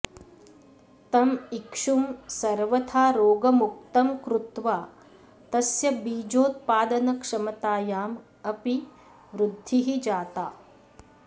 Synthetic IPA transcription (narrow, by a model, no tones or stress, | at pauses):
t̪ɐmikʂumsɐɾʋɐt̪ʰaːɾoːɡɐmuk̚t̪ɐmkɾut̪ʋaː | t̪ɐsjɐbiːd͡ʒoːt̪̚paːd̪ɐnɐkʂɐmɐt̪aːjaːm | ɐpi | ʋɾud̪ʱːiɦid͡ʒaːt̪aː